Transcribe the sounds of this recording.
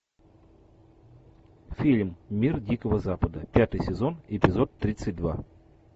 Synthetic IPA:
fʲilʲmːʲirdʲikəvəzapəd̪əpʲat̪ɨjsʲɪzo̞nɪpʲɪzo̞t̪ːɾʲit̪sɨt̚ʲd̪va̰

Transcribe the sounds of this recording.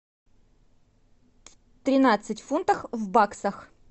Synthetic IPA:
t̪ɾʲɪnat̪sɨtʲfunt̪əfvbaksəx

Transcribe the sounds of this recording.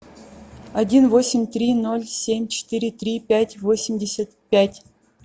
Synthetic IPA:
adʲinvosʲɪmʲt̪ɾʲinolʲsʲemʲt͡ɕɪ̥t̪ɨɾʲɪt̪rʲipʲætʲvosʲɪmʲdʲesʲat̪pʲætʲ

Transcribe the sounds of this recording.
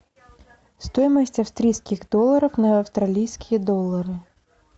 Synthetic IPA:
st̪ɔjmɐsʲtʲɐfst̪ɾʲijskʲiɣd̪ɔlˠːɐɾɐfnɐɐwst̪ɾalʲijskʲijɐd̪ɔlˠːɐɾɨ

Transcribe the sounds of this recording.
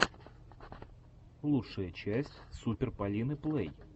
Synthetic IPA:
lˠuʂəjət͡ɕæsʲtʲsupʲɪrpɐlʲinɨplˠɛj

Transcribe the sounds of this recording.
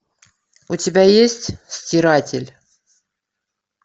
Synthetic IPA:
utʲɪbʲajesʲtʲsʲtʲɪɾatʲɪlʲ

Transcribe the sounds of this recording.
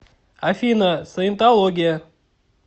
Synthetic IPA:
afʲinəsəɪnt̪alˠoɡʲɪjə

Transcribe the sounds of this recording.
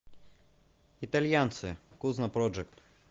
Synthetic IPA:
it̪alʲjant̪sɨkuznɐpɾɔd͡ʒɛk̚t̪

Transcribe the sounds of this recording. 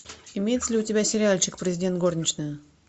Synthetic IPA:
ɪmʲejɪt̪səlʲɪʊtʲɪbʲasʲɪɾʲɪalʲt͡ɕɪkpɾʲɪzʲɪdʲent̪̚ɡo̞rnʲɪt͡ɕnəjə

